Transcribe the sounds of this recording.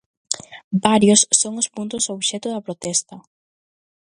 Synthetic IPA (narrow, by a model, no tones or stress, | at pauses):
baɾjosːoŋʊspunt̪ʊsoβʃɛt̪ʊðɐpɾot̪ɛst̪ɐ